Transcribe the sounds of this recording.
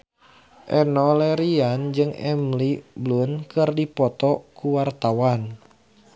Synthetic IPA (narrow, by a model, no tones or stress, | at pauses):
ʔɛnɔlɛɾiand͡ʒɨŋɛ̰mliblunkɨrdipɔt̪ɔkuwart̪awan